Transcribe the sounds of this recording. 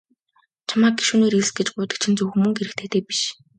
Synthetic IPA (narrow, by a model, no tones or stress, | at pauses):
t͡ɕʰamaːk̚ɡi̥ʃuːneːɾiɮs̚ɡet͡ɕɡʊːt̪ə̥̆k̚t͡ɕʰĭnt͡sɵwxɵmɵ̆ŋɡeɾɘ̆kt̪ʰeːt̪eːpi̥ʃ